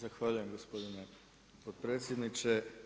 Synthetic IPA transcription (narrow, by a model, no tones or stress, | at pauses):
zaxʋaʎuje̞mɡospo̞d̪ine | pot̪pɾeːt̪sʲjed̪nit͡ʃe